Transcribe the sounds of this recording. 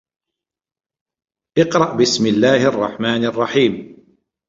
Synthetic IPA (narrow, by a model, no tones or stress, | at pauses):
ʔɪqɾˤɑʔbɪsmɪlːaːhʔɑrˤːɑħmaːnɑrˤːɑħiːm